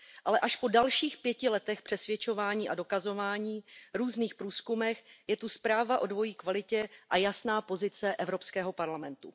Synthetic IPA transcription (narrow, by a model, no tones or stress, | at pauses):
ʔalɛʔaʃpo̞dalʃiːxpjɛcɪlɛt̪ɛxpr̥ɛsvjɛt͡ʃo̞vaːɲiːʔado̞kazo̞vaːɲiːɾuːzniːxpɾuːskumɛxjɛt̪uspɾaːvaʔo̞dvo̞jiːkvalɪcɛʔajasnaːpo̞zɪt͡sɛʔɛvɾo̞pskɛːɦo̞paɾlamɛnt̪u